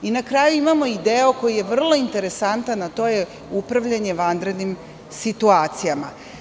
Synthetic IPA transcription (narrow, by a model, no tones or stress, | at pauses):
inakɾaːjuimamo̞id̪eo̞ko̞jije̞ʋr̩lˠo̞int̪e̞ɾe̞sant̪anːat̪o̞je | upɾaʋʎaɲe̞ʋand̪ɾe̞d̪nim | sit̪uaːt̪sijama